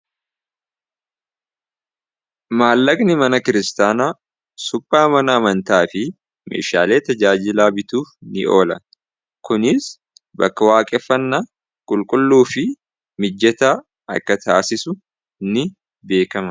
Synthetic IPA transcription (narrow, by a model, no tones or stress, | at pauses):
maːlːɐkʼnɪmɐnɐkɪɾɪst̪aːnaː | sʊpʼːaːmɐnɐɐmɐnt̪aːfɪ | mḛːʃa̰ːle̞ːt̪ɐd͡ʒaːd͡ʒɪlaːbɪt̪uːfnɪ̰o̞̰ːlɐ | kʊnɪs | bɐ̰kːɐwaːkʼɛfːɐnːɐ | kʼʊlkʼʊlːuːfɪ | mɪd͡ʒːɛt̪aː | ɐ̰kːɐt̪ʰaːsɪsʊ | nɪ | be̞ːkɐmɐ